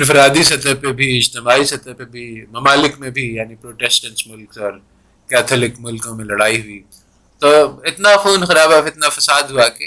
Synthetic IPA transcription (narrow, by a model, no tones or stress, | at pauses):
ɪɾfɾaːd̪isɐt̪əbpebʱiɪd͡ʒt̪ɪmaːisɐt̪əpebʱimɐmaːlɪkmẽbʱijaːnipɾoːʈeːsʈə̃nsmʊlksɔːɾ | kaːt̪ʰɐlɪkmʊlkõmẽlɐɽaːiɦʊi | t̪oːɪt̪naxuːnxɐɾaːbaɪt̪nafɐsaːd̪ɦuake